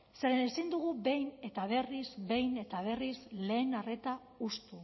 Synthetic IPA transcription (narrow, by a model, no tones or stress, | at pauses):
se̞ɾenesind̪uɣube̞jne̞t̪aβ̞e̞rizbe̞jne̞t̪aβ̞e̞rizle̞ːnare̞t̪a | ust̪u